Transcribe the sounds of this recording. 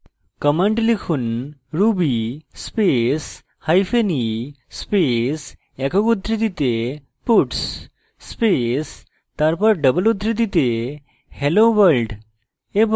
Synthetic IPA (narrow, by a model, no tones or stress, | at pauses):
kəməɳʈlikʰuːnɾubispes | hajfeni | spes | ɛkəkud̪ʱɾid̪it̪e | puʈsː | pes | t̪aɾpəɾɖəbəlud̪ʱɾid̪it̪e | heloʋəlɖ | eb